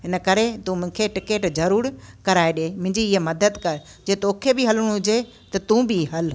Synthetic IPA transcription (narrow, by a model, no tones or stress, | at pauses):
ɦɪnəkɐɾet̪ũːmʊ̃ɦɪ̃kʰeʈɪkeːʈzɐɾuːɾkɐɾaːeɗeːmʊ̃ɦɪ̃ɲd͡ʑiɪɦemɐd̪əd̪kɐɾ | d͡ʑeːt̪oːkʰebɪɦɐlʊɽ̃ɦʊd͡ʑe | t̪ɐt̪ũːbɪɦɐl